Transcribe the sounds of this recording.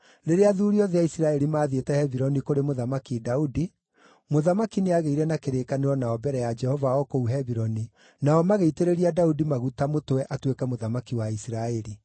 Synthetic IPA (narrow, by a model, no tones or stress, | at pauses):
ɾeɾeaðuːɾiɔðeaisiɾaɛɾimaːðetɛhɛviɾɔnikoɾemoðamakidaudi | moðamakineaɣeiɾɛnakeɾeːkaneɾɔnaɔbɛɾɛjad͡ʒɛhɔvaɔkouɦɛβiɾɔni | naɔmaɣeiteɾeɾiadaudimaɣutamotwɛʔatwekɛmoðamakiwaisiɾaɛɾi